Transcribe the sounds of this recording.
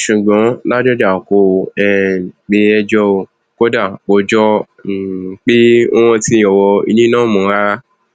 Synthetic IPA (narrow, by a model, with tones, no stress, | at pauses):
ʃu˨ɡ͡bɔ̃˨˦la˦d͡ʒɔ˦d͡ʒa˦˨ko˧˨ɛ˦˨k͡pe˧ɛ˧d͡ʒɔ˧o˧ | ko˦da˦˨k͡po˧d͡ʒɔ˦˨ | k͡pi˦o˦w̃ɔ̃˧ti˧˦jɔ˨wɔ˧ḭ˧nĩ˦nã˦mũ˨˦ɾa˦